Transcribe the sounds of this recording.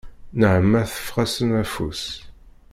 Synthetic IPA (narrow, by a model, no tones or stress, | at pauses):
nəʕəmːæθə̥fːʁæsənæfus